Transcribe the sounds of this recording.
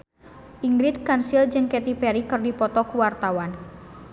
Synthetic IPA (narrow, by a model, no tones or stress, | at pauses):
ʔiŋɡɾid̪̚kansild͡ʒɨŋkɛt̪ipɛɾikɨrdipɔt̪ɔkuwart̪awan